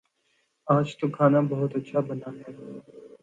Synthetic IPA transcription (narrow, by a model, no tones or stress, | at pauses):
aːd͡ʒt̪okʰaːnabɐɦʊt̪ɐtːʃʰabənaːɦɛː